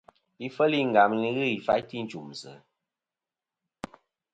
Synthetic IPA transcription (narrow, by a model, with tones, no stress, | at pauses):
i˦fə˦li˦ŋ̩˨ɡa˨m˦ni˦ɣɨ˦˨i˨fa˦jti˦n̩˨t͡ʃu˨m˨sə̰˨˦